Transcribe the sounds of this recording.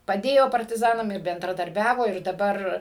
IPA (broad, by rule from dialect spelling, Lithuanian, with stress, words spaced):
pɐˈdʲeːjoː pɐrʲtʲɪˈzɑːnɐm ɪr bʲɛndrɐdɐrʲˈbʲæːʋoː ɪr dɐˈbɐr